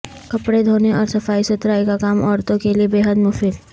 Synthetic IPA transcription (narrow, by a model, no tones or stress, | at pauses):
kɐpɽed̪ʱoːneʔɔːɾsɐfaːisʊt̪ɾaːikakaːmɔːɾt̪õkeliebeːɦəd̪mʊfɪl